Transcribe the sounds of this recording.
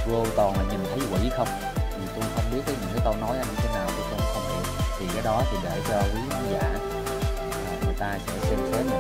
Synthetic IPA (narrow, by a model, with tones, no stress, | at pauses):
və˧kɔ˨˩nla̰ː˧˨˩ɲi˨˩nt̪ʰə˨˦jkwḭ˧˥˨xə˧wŋ͡m | t̪ʰi˨˩t̪u˧ŋ͡mxə˧wŋ͡mɓi˦˥ət̪̚ːə˨˦ɲɨ̰˧˥ŋkaː˨˦k̪ɔ˧ŋ͡mnɔ˨˦jʔaː˨˧˦ɲ˧t̪ʰe˨˦naː˨˩wt̪u˧˩kə˧ŋ͡mxə˧ŋ͡mt̪ʰi˨˩kaː˨˦jɗɔ˨˦t̪ʰi˨˩ɗe˧˩t͡ɕɔ˧kwi˨˦˧za̰ː˧˩ | laː˨˩ŋɨ˨˩əjt̪aː˧sɛ̰˧˥t͡ɕe˧˦t̪ʰe˨˦m˨˩